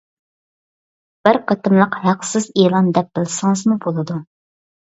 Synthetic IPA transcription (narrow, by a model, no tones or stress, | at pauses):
b̥ɪɾqɑt̪ɨmlˠəqhæqsɪzelˠɑnd̪ɛp̚b̥ɪlˠɪsɨŋɨzmubolˠɨd̪u